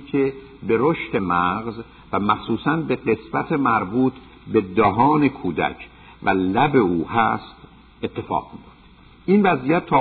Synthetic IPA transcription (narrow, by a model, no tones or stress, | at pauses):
kʰe | be̞ɾoʃt̪e̞mæɣz | væmæχsuːsænbe̞ɢe̞sbæt̪ʰemæɾbuːt̪ʰ | be̞d̪ɒɦɒːne̞kʰuːd̪æ̰cʰ | vælæbe̞uːhæ̰st̪ | e̞t̪ʰːe̞fɒ̰ːʁmioft̪ | ʔinvæziːjæt̪ʰːɒː